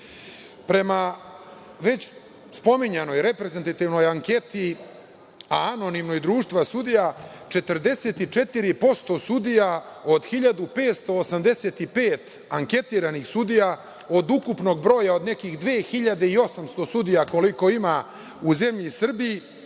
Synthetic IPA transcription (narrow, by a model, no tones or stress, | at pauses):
pɾe̞ma | ʋe̞t͡ɕ | spo̞miɲeno̞jɾe̞pɾezent̪at̪iʋno̞jaŋke̞t̪i | a̰ano̞nimnojd̪ɾuːʃt̪ʋasud̪ijat͡ʃe̞t̪rd̪e̞se̞ːt̪it͡ʃe̞t̪iɾipo̞st̪o̞sud̪ijao̞d̪xiʎad̪upe̞ːt̪st̪o̞ːsamd̪e̞se̞t̪ipe̞ːt̪ | aŋke̞t̪iːɾanixsud̪ija | o̞d̪ukupno̞ɡbɾo̞ːjao̞d̪ne̞kiːxd̪ʋeːxiʎad̪eio̞samst̪o̞sud̪ijako̞liko̞ima | uze̞mʎisr̩biji